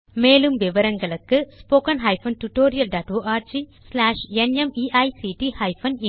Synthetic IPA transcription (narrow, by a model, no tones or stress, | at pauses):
meːlɯmʋɪʋɐɾɐŋɡɐɭɯkːɯspoːkɐnɦɐjfɐnʈuʈoːɾijɐlɖaːʈʋoːʔaːɾt͡ʃislaːʂɛnɛmiːʔɐjsiːʈihɐjfʰɐn